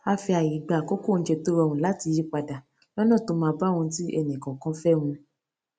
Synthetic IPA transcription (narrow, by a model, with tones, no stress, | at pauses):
a˧fi˧a˨ji˨ɡ͡ba˨ko˦ko˦˨n̩˦d͡ʒe˧to˦ɾɔ˧˨wũ˧˦la˦ti˧ji˦k͡pa˧da˨ | lɔ˦nã˦˨to˧˦mãː˧ba˦˨wɔ̃˧˦ti˦ɛ̰˧˨nĩ˨kɔ̃˨kã˦fɛ˦w̃ũ˧